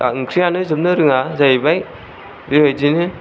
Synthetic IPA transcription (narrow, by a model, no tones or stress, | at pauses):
a̰kʰɾijanɯzɯp̚nɯɾɯŋazajbaj | diɾɯjzinɯ